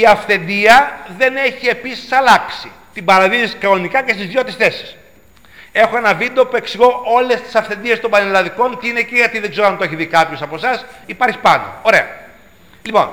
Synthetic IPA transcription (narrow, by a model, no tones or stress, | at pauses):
iɐfθe̞nd̪iɐðe̞ne̞çie̞pisi̥sɐlɐksit̪ibɐɾɐðinisi̥kɐonikɐcest̪izðʝot̪isθe̞si̥s | e̞xo̞enɐvind̪opue̞ksiɣo̞o̞le̞st̪i̥sɐfθe̞nd̪ie̞st̪ombɐnelɐðiko̞nt̪iine̞ciʝɐt̪iðeɡzeɾoɐnt̪oeçiðikɐpço̞sɐpo̞sɐsipɐɾçi̥pɐnd̪o̰o̞ɾe̞̰ɐ̰ | lipo̞̰n